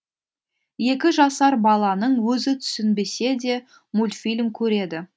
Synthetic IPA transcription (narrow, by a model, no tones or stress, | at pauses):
je̞kʲɪʒɑsɑɾbɑlˠɑnəɴwɵzɪt̪ʰʏ̥sɪnbe̞se̞d̪e̞ | mulʲfilʲmkʲʰɵɾe̞d̪ɪ